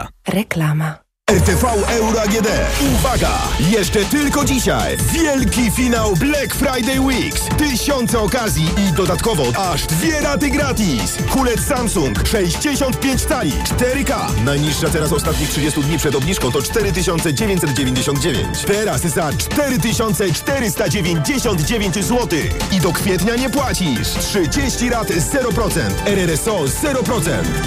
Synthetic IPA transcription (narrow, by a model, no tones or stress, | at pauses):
ɾɛklama | ɛɾt̪ɛfawɛwɾɔaaɡʲɛd̪ɛuvaɡa̰jɛʂt͡ʂɛt̪ɘlkɔd͡ʑiɕa̰jvʲjɛlkʲifʲinawblɛkfɾajd̪ɛjwikst̪ɪɕɔnt̪sɛɔkazʲjiʔid̪ɔd̪at̪kɔvɔaʐd̪vʲjɛɾat̪ɘɡɾat̪ʲiskulɛt̪samsuŋkʂɛjʑd͡ʑeɕɔnt̪̚pʲjeɲt͡ɕt̪salʲḭt͡ʂt̪ɛɾɘka̰najɲiʂːat̪ɛɾasɔst̪at̪ɲixtʂɨd͡ʑest̪ud̪ɲipʂɛd̪ɔbɲiʂkɔ̃w̃t̪ɔt͡ʂt̪ɛɾɘt̪ɘɕɔnt̪sɛd͡ʑevʲjeɲt͡ɕ̪ʲsɛd̪d͡ʑevʲjẽɲd͡ʑeɕ̬ɔ̃nd̪̚d͡ʑevʲjḛɲt͡ɕt̪ɛɾaszat͡ʂt̪ɛɾɘt̪ɘɕɔnt̪sɛt͡ʂt̪ɛɾɘst̪ad͡ʑevʲjeɲd͡ʑeɕɔnd̪d͡ʑevʲjeɲt͡ɕzwɔt̪ɘxid̪ɔkfʲjɛt̪ɲaɲɛpwat͡ɕiʂtʂɘd͡ʑeɕt͡ɕiɾat̪zɛɾɔpɾɔt̪sɛ̰nt̪ɛɾɛɾɛsɔzɛɾɔpɾɔt̪sɛ̰nt̪